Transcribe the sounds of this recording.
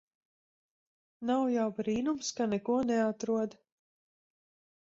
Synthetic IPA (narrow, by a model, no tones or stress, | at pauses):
nawjawbɾiːnumskanɛkuɔnɛat̪ɾuɔd̪